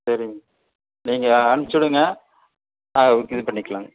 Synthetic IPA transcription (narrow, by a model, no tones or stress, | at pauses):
sɐɾɪŋɡɐ | niːŋɡɐːnɯt͡ʃːɔɽɯŋɡɐ | naːɐʊkːispɐɳːɪkːɐɭaːŋɡɐ